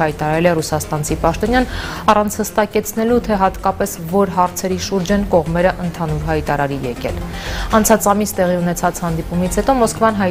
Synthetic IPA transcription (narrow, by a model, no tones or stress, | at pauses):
ɑjt̪ɑɾɑɾɛlɛrusɑst̪ɑnt͡sʰipɑʃt̪ɔnjɑnɑrɑnt͡sʰhəst̪ɑkɛt͡sʰnɛlut̪ʰɛɦɑt̪kɑpɛsvɔɾɦɑɾt͡sʰɛɾiʃuɾd͡ʒɛnkɔʁmɛɾəʔənt̪ʰɑnuɾɦɑjt̪ɑɾɑɾijɛkɛ̰lɑnt͡sʰɑt͡sɑmist̪ɛʁiunɛt͡sʰɑt͡shɑnd̪ipumit͡sʰhɛt̪ɔmɔskvɑnɦɑj